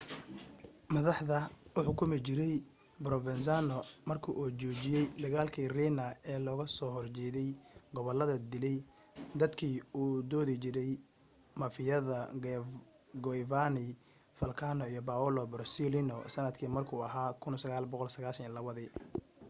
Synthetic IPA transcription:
mɐðɑħðɐʔʊħʊkʰʊmɪt͡ʃɪɾɛj | bɾɔvɛns̬anɔmɐrkʰiʔuːt͡ʃɔːt͡ʃɪjɛjd̪ɐɣaːlkʰiːriːnɐɛːlɔːɣɐsɔːhɔrt͡ʃɛːðɛjɡɔβɔlːɐðɐd̪ɪlɛj | d̪ɐd̪kʰiːuːd̪ɔːðit͡ʃɪɾɛj | mɐfɪjɐðɐ | ɡɔivanɪ | fɐlkʰaːnɔijɔbaːɔlɔbɾsilinɔsɐnɐd̪kʰiːmɐrkʰuːɐɦaːkʰʊnsɐɣaːlbɔqɔlsɐɣaːʃɐnilɐβɐðiː

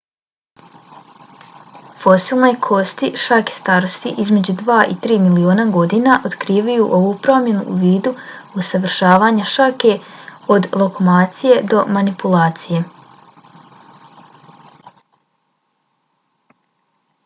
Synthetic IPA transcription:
fo̞siːlˠno̞jkʰo̞st̪iʃakest̪aːɾo̞st̪ḭʔizme̞d͡ʑud̪ʋaːʔḭt̪ɾiːmilioːnaɡo̞d̪inaʔo̞d̪kɾiːʋajuʔo̞ʋuːpɾo̞mje̞nṵʔːʋiːd̪uusaʋr̩ʃaːʋaːɲaʃake̞o̞d̪lˠo̞ko̞maːt̪sije̞d̪o̞manipulaːt̪sije

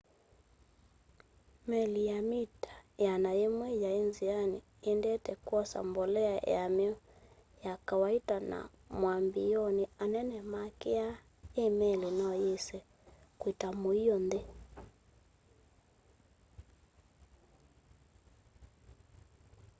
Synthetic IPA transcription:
mɛlijamitḁjanaɛmwɛjainzianiːndɛtɛkwɔsa̰mbɔlɛajamɛɔ | jakawaitana̰ | mwambiɔnianɛnɛmakɛa | emɛlinaɔjɛsɛ | kwitamuiɔndɛ

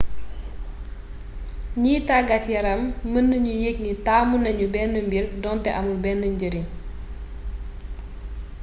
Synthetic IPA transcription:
ɲiːtaɡɐtjɐɾɐmːənːəɲujek̚nitaːmunɐɲubɛnːəmbirdɔntɛʔɐmubɛnːəɲɟəɾin

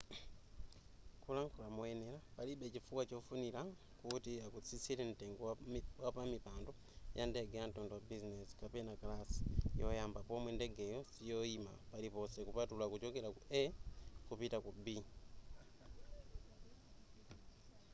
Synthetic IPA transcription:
kulaŋkulamwenelapaliɓecifuwacofunila | kutiakut͡sisilenteŋɡowapamipaːndo | jandeɡeantoːndowabizinesi̥kapenakalasi̥jojaːmbapomweːndeɡejosijoima̰palipo̞sekupatulakut͡ʃokelakuekupitakubi

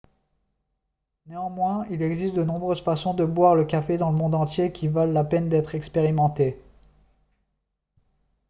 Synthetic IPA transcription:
neɑ̃mwɛ̃ilɛɡzit̪d̪ənɔ̃bʁøz̥fasɔ̃d̪əbwaʁləkafed̪ɑ̃ləmɔ̃d̪ɑ̃t̪jekʲʰivalːapɛnd̪ɛt̪χɛkspeʁimɑ̃t̪e

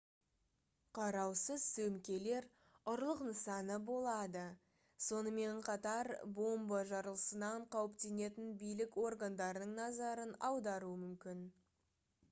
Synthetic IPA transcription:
qʰɑɾɑwsəzsɵmkʲe̞le̞ɾ | ʊɾlˠəqnəsɑnəbo̞lˠɑd̪ə | so̞nəme̞ɴqʰɑt̪ɑɾbo̞mbɑʒɑɾəlˠəsənɑɴqʰɑwəpt̪e̞ne̞t̪ɪnbijlɪkwo̞rɡand̪ɑɾənəɴnɑzɑɾənɑwd̪ɑɾuəmʏmkʲɪn

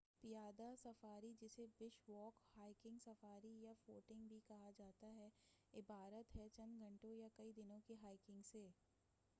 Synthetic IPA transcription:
pɪjaːd̪asɐfaːɾid͡ʒɪsebɪʃwɔːkhaːɪkɪ̃ŋɡsɐfaːɾijafoːʈɪ̃ŋɡbʱikɐɦad͡ʒaːt̪aɦɛɪbaːɾət̪ɦɛt͡ʃɐ̃nd̪ɡʱɐ̃ɳʈõjakɐid̪ɪnõkeɦaːɪkɪ̃ŋɡseː

